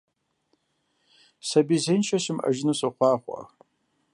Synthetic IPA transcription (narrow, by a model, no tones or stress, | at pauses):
sabizejnt͡ʃʰaʃɪma̰ʒnɨsaχʷaχʷa̰